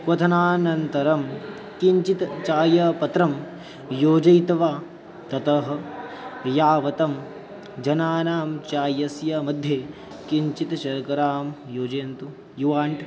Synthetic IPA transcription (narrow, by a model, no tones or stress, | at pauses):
kɐt̪ʰɐnaːnɐnt̪ɐɾɐm | kiɲt͡ʃit̪t͡ʃaːjɐpɐt̪ɾɐm | joːd͡ʒɐjt̪ɐʋaː | t̪ɐt̪ɐɦɐ̆ | jaːʋɐt̪ɐm | d͡ʒɐnaːnaːmt͡ʃaːjɐsjɐmɐd̪ʱjeː | kiɲt͡ʃit̪ɐʃɐɾkɐɾaːmjoːd͡ʒɐjɐnt̪u | juʋaːɳʈ